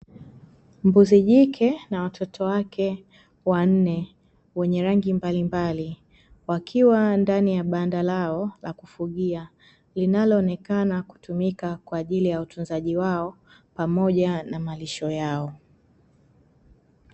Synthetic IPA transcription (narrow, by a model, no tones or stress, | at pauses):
mbuziʄikʰɛnawatʰɔtʰɔwakʰɛ | wan̩nɛ | wɛɲɛɾaŋɡimbalimbali | wakʰiwandanijaɓandalaɔlakufuɠia | linalɔːnɛkanaku̥tumikakwaːʄilijautʰunzaʄiwaɔ | pamɔʄanamaliʃɔjaɔ